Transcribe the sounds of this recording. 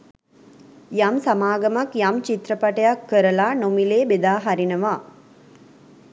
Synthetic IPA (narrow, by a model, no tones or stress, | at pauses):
jamsamaːɡɐmakjamt͡ʃit̪ɾəpɐʈɐjakːəɾəlaːnomileːbed̪aːɦaɾinɐʋaː